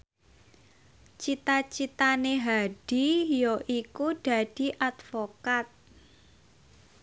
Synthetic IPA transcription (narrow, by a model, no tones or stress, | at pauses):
t͡ʃit̪at͡ʃit̪aneɦaɖ̥ijoʔikud̥a̤d̥i̤ʔat̪fokat̪̚